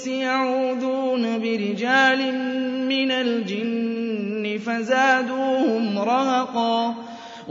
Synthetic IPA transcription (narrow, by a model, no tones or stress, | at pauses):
sɪjaʕuːd̪uːnabɪɾɪd͡ʒaːlɪmːɪnald͡ʒɪnː | ɪfazaːd̪uːhʊmɾˤɑhɑqɑː | w